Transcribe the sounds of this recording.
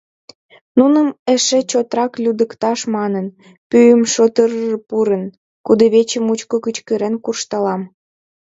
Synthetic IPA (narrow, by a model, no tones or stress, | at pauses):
nunəmeʃet͡ɕot̪rɑklʲud̪əkt̪ɑʃmɑnən | pyjəmʃot̪əɾərpuɾən | kud̪eβet͡ɕəmut͡ɕkokət͡ɕkəɾenkurʃt̪ɑlɑm